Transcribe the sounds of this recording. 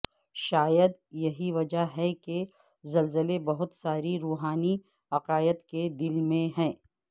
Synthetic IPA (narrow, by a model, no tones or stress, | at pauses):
ʃaːjəd̪jɐɦiʋɐd͡ʒaɦɛke | zɐlzəlebɐɦʊt̪saːɾiɾuːɦaːni | ɐqaːjət̪ked̪ɪlmẽɦɛ̃ː